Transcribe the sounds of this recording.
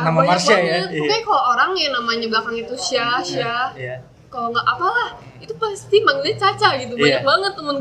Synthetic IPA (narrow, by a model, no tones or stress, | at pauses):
amabamaasajaakakalooɾaŋjanamaɲablakaŋit̪uʃiahʃah | kaloŋɡaʔapalah | it̪upast̪imaŋət̪ɲat͡ʃat͡ʃaɡit̪̬ubaɲak̚baŋət̪ːəmʊn